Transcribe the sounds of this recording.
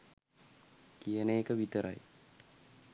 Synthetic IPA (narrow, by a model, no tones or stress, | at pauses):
kijəneːkəʋit̪əɾʔa̰j